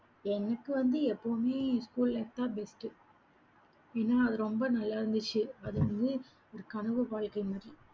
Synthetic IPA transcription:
ɛnːɐkːɯʋɐnd̪ɯɛpːoːmeːskuːllɛkt̪aːbɛsʈɯ | eːnːaːɐðɯɾɔmbɐnɐlːaːɪɾɯnd̪ɯt͡ʃːɯɐðɯʋɐnd̪ɯ | ɔɾɯkɐɳɯʋɯʋaːɻkɐɪmaːd̪ɾi

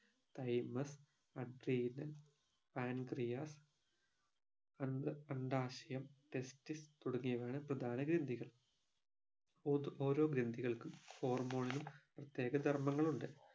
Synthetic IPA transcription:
t̪ɐjmɐs | ɐɖriːnɐl | paːnɡrijaːs | ɐnɐɳɖaːɕɐjɐmʈestist̪uɽɐŋːijɐʋeːɳɨprɐd̪ʱaːnɐɡɾend̪ʱiɣɐɭ | oːɾo̞ːɡɾend̪ʱiɣɐɭkumho̞ːrmo̞ːɳilumprɐt̪je̞ːɡɐd̪ʱɐrmɐŋːɐɭuɳɖɨ

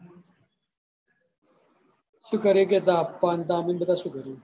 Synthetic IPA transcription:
sukɐɾiket̪aːpːaːnt̪aːminbɐt̪asukɐɾi

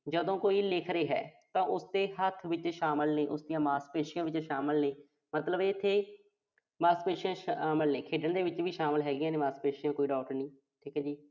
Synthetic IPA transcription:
d͡ʒəd̪õːkoːiːlɪkʰɾeːɦɛ̰ːt̪ãːʔʊsd̪eːɦət̪ʰʋɪt͡ʃʃaːməlneːʔʊsd̪ijãːmaːspeːʃɪjãːʋɪt͡ʃʃaːməlneː | mət̪ləbeːɪt̪ʰːeː | maːspeːʃɪjãːʃaːməlnẽːkʰeːɖəɳd̪eːʋɪt͡ʃʋiːʃaːməlɦɛːɡɪjãːneːmaːspeːʃɪjãːkoːiːɖaːʈəɾnĩː | ʈʰiːkɛːd͡ʒiː

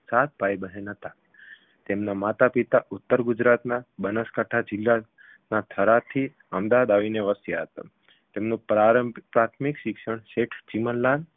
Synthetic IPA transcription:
sat̪̚ʰbajbəɦenət̪a | t̪emnamat̪apit̪aʔut̪ːəɾɡud͡ʒɾat̪nabənəskaʈʰad͡ʒɪlːa | nat̪ʰəɾat̪ʰi | əmd̪aʋad̪aʋineʋəsjaɦət̪a̰ | t̪emnũpaɾpɾat̪ʰmikʃɪkʃəɳ̃ʃeʈʰt͡ʃimənlan

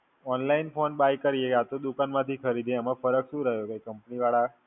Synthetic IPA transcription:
ɔnlainfonbajkəɾijeat̪od̪ukanmãt̪ʰikʰəɾid̪ʱeəmãfəɾəkʃũɾəɦjokakəmpniʋaɭa

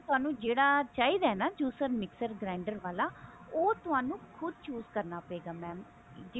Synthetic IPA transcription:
t̪ʊɦaːnũːd͡ʒeːɽaːt͡ʃaːiːd̪aːɦɛnaːd͡ʒuːsəɾmɪksəɾɡɾɛːɳɖəɾʋaːlaːoːt̪ʊɦaːnũːkʰʊd̪̚t͡ʃuːzkəɾnaːpəeːɡaːmɛ̃ːm | d͡ʒɪ

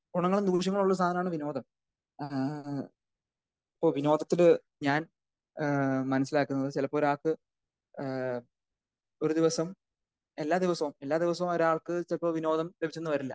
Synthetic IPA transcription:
ɡuɳɐŋːɐɭumd̪uːʂ̬jɐŋːɐɭuɭːɐst̪ʰaːnɐmaːɳɨʋino̞ːd̪ʱɐm | ipːo̞ːʋino̞ːd̪ʱɐt̪ːil | ɲaːn | mɐnɐs̬ːilaːkːunːɐðɨt͡ɕilɐpːo̞ːɾaːɭkɨ | o̞ɾud̪iʋɐsɐm | e̞lːaːd̪iʋɐsɐʋume̞lːaːd̪iʋɐsɐʋumoɾaːɭkɨt͡ɕilɐpːoːʋino̞ːd̪ɐmlebʱit͡ɕːenːɨʋɐɾɐlːɐ

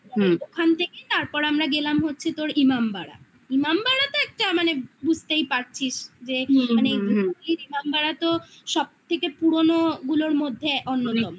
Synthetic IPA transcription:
aed̪okʰant̪ʰeket̪aɾpɔɾamɾaɡelamɦotːɕʰet̪oɾimambaɽa̰ | imambaɽat̪oɛk̚ʈamanebud͡ʑʱt̪ejpaɾt͡ɕʰiʃd͡ʑemaneejd̪okʰaniɾimambaɽat̪o | ʃɔb̚t̪ʰekepuɾonoɡuloɾmod̪ʱːeʔonːot̪ɔmo

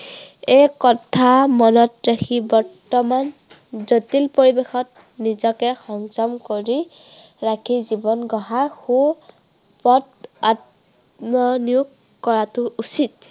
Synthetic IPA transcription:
ekɔtʰamɔnɔtɹakʰibɔɹtɔman | zotilpoɹibexɔt̚ | nizɔkɛxɔŋzɔmkoɹi | ɹakʰizibɔnɡɔɦaɹxu | pɔt̚at | mɔnijukː | ɔɹatʊusit

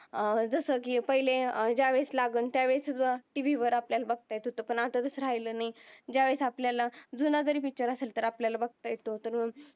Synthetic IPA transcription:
d͡zəsəkiːpəɦilẽd͡ʑaʋeslaɡənt̪jaʋeɭt͡səʋəʈiʋiʋəɾapljalabəɡ̚t̪ajet̪ɦot̪opəɳat̪ad͡zəsəɾ̤ajləːnaid͡ʑaʋesapljalad͡zunad͡zəɾiːpit͡ɕəɾəselt̪əɾapljalabəɡ̚t̪ajet̪ot̪əɾmə

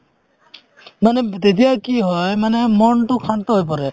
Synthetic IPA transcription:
manɛt̪et̪̬ijakiɦɔjmanemɔnʈukʰant̪ɔɦojpɔɾɛ

